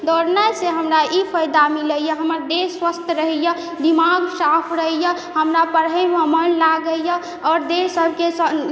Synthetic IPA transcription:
d̪ʱoɾnəseɦəmɾaʔipʰəjd̪amiləjəɦəməɾd̪eswəst̪ʰɾəɦɛjə | d̪imaɡsapʰɾəjə | həmɾapəɾɦəməmənlaɡəjə | ɔːɾd̪esəbʱkesə

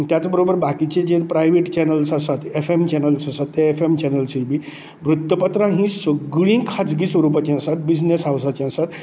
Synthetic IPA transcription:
t̪jat͡sbəɾobəɾbakit͡ɕed͡ʑepɾajʋeʈt͡ɕɛnəlsasat̪efemt͡ɕɛnəlsasat̪ːeefemt͡ɕɛnəlsilbi | bɾut̪ːəpət̪ɾãɦĩsəɡɭĩkʰad͡zɡisʋəɾupat͡ɕẽasat̪̚bid͡ʑnesaʋsat͡ɕẽasat̪

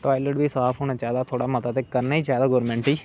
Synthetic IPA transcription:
ʈɔːjləʈbiːsaːpʰɦoːñaːd͡ʒjaːd̪aːt̪ʰoːɽaːmət̪aːt̪eːkəɾnaːiːd͡ʒjaːd̪aːɡɔːɾmɛ̃ɳʈiː

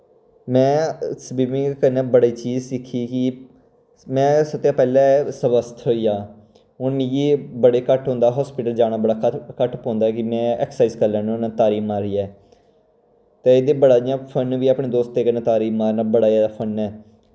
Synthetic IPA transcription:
mɛ̃ːsəbiːbĩːkənɛ̃ːbəɽeːt͡ʃiːzsɪkʰːiːki | mɛ̃ːsət̪ːjãːpɛːlɛːsəbəst̪ʰɦoːijaː | ʊnːiɡeːbəɽeːkəʈɦõːnd̪aːɦɔːspɪʈəld͡ʒaːɽaːbəɽaːkkəʈpɔ̃ːnd̪aːkɪmɛ̃ːɛ̰ːksaːiːzkəɾlɛ̃ːnːnãt̪aːɾiːmaːɾiːɛː | t̪eːed̪eːbəɽaːijãːpʰənːʋiːaːpɳẽːd̪oːst̪ːeːkənẽːt̪aːɾiːmaːɾnaːbəɽaːaːd̪apʰənɛː

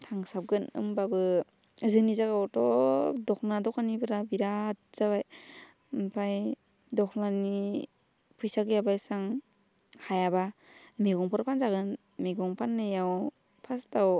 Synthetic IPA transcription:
tʰaŋsap̚ɡɯnɯ̰mbabɯ | zɯnizaɡawtɔdɔk̚nadɔkanibɯɾabiɾat̚z̥abaj | mpʰaj | dɔknani | pʰujsaɡɯjabajsaŋ | hajaba | miɡɔŋpʰɔɾpʰanzaɡɯn | miɡɔŋpʰanːɯjaw | pʰastaw

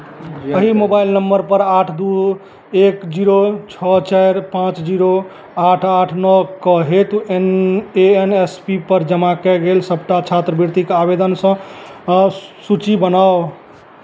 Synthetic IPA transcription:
əɦimobailnəmbəɾpəɾaʈʰd̪u | ekd͡ʒiɾot͡ʃʰət͡ʃajɾpãt͡ʃd͡ʒiɾo | aʈʰaʈʰnəkəɦet̪u | eenespipəɾd͡ʒəmakɛɡelsəbʈat͡ʃʰat̪ɾəbʱiɾt̪ikabed̪ənsə̃ | sut͡ʃibənao

